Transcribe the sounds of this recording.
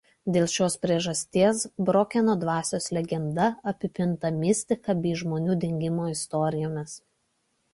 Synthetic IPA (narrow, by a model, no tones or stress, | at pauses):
d̪ʲeːlˠʃʲoːspʲɾʲiɛʒɐsʲt̪ʲiɛsbɾoːkʲɛnoːd̪ʋɑːsʲoːslʲɛɡʲɛnd̪ɐɐpʲɪpʲɪnˑt̪ɐmʲɪsʲt̪ʲɪkɐbʲiːʒmoːnʲuːd̪ʲɛŋʲɡʲɪmoːɪst̪ɔɾʲɪjoːmʲɪs